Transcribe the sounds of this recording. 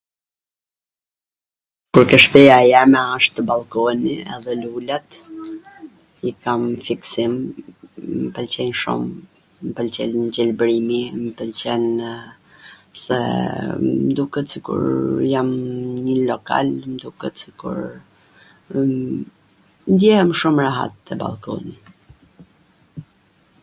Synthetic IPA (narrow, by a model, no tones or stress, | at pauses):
kuɾkɛʃpɛjajɛɾmɛaʃt̪əbalˠkɔniɛ̰ðɛlulat̪ | ikamfiksim | mpəlt͡ɕɛnʃṵm | mpəlt͡ɕɛld͡ʑɛlbɾimiməpəlt͡ɕɛn | sɛ̰ | md̪ukət̪sikṵɾjamɲəlɔka̰lmd̪ukət̪sikṵɾ | nd̪jɛhɛmʃumɾaɦa̰t̪ːəba̰lˠkɔ̰ni